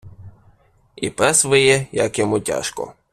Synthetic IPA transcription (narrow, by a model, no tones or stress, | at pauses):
ḭpɛsʋɪjɛjɐkjɔmutʲa̰ʃkɔ̰